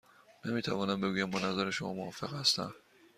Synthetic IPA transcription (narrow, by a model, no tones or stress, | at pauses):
nemiːt̪ʰævɒːnæmbe̞ɡuːjæmbɒnæzæɾeʃomɒ̰ːmohɒːfe̞ɣhæst̪æ̰m